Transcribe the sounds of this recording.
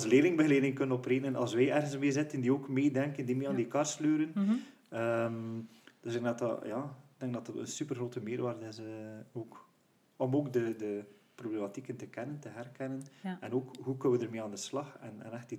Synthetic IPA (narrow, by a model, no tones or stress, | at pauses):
sleːlɪŋbəɣəleːdɪŋkɵnənɔpreːnənɑ̰lˠsʋɛjɛrɣənsmeːzɪtəndioːkmeːdɛŋkəndimeːɑːndikɑrslyːɾən | əmd̥øszɪɡdɑtɑ̰jɑːɪɡ̚dɛŋɡ̚dɑtɑtə̰nsypərɣroːtəmɪːrʋaːrdɪsəoːk | ɔmoːkdədəproblematikəntəkɛnəntəɦɛrkɛnənɛnoːkɦukənəʋədərmeːaːndəslɑxɛ̰nɛ̰nɛxti